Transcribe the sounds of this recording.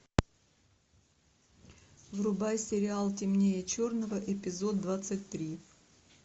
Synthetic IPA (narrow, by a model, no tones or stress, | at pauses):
vrʊbajsʲɪɾʲɪalˠtʲɪmnʲejət͡ɕornəvəʔɪpʲɪzo̞d̪ːvat̪sɨtʲt̪ɾʲi